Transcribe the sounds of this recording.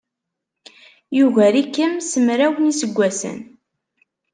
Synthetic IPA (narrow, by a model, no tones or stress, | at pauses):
juɣæɾikːəmsəmɾæwnisəɡʷːæsə̰n